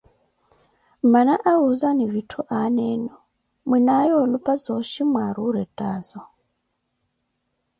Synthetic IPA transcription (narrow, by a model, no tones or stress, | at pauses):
manaʔaɦuzanivitʰuʔanɛːnɔ | minajɔlupʼazɔʃimwaɾuɾɛtʼaːzɔ